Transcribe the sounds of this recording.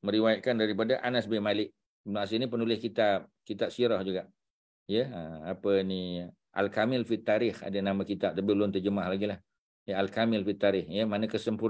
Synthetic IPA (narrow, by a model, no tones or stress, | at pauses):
məɾiwajat̪̚kandaɾipadaʔanasbɪmalɪʔ̚ | nas̬inipənulɪhkit̪ap̚kit̪ap̚siɾɔhd͡ʒuɡaʔ | jəəapəni | ʔa̰lkamɪlfit̪ːaɾɪha̰dənamakit̪ap̚t̪abilʊnt̪ərd͡ʒəmahlaɡilah | jəalkamɪlfit̪ːaɾɪhjəmanəkəsəmpu